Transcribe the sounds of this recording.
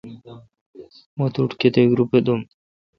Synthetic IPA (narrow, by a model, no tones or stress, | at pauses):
mɔt̪uʈkʲet̪eɡɾuped̪um